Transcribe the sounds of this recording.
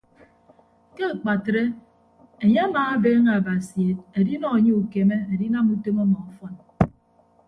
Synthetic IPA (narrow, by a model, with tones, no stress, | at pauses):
ke˦˨k͡pa˨tɾe˦ | e˨ɲe˦a˦maː˨a˦beː˦ŋa˨ba˨si˨e˨t̚e˨di˦nɔ˦e˨ɲe˦u˨ke˨me˦e˨di˦na˦mu˦to˦mɔ˦mɔ˨ɔ˨˦fɔ˦n